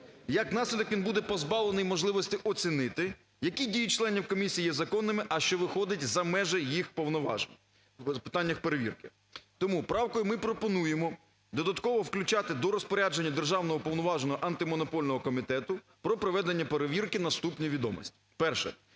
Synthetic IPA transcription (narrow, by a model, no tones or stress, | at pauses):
jɐknɑsʲlʲɪd̪ɔkʋinbud̪ɛpɔzbɑlˠenɪjmɔʒlˠɪʋɔsʲtʲɪʔɔt͡sʲinɪt̪ɪ | jɐkʲidʲijit͡ʃlˠɛnʲiwkɔmʲisʲijːjɛzɐkɔnːɪmɪʔɐʃt͡ʃɔʋɪxɔd̪ɪtʲzɐmɛʒɛjixpɔwnɔʋɑ̰ | pɪ̥t̪ɑnʲːɐxpeɾeʋʲḭrkɪ | t̪ɔmupɾɑwkɔjʊmɪpɾɔpɔnujemɔ | d̪ɔd̪ɐt̪kɔʋɔwklʲʊt͡ʃat̪ɪd̪ɔɾɔspɔɾʲad͡ʒenʲːɐd̪erʒɑwnɔɦɔpɔwnɔʋɑʒnɔɦɔʔɐnt̪ɪmɔnɔpɔlʲnɔɦɔkɔmʲit̪ɛt̪ʊ | pɾɔpɾɔʋɛd̪enʲːɐpeɾeʋʲirkɪnɐst̪upnʲijʋʲid̪ɔmɔ̰sʲtʲi̥pɛrʃɛ̰